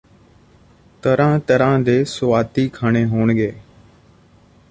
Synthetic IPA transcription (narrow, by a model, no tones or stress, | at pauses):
t̪əɾãːt̪əɾãːd̪eːsʊʋaːt̪iːkʰaːɳeːɦoːɳɠeː